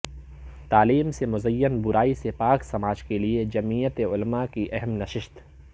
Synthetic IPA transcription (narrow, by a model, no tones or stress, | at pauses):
t̪aːliːmsemʊzɐjːənbʊɾaːisepaːksɐmaːd͡ʒkelied͡ʒɐmiːjət̪eʊlmakiʔɛɦɛmnɐʃɪʃt̪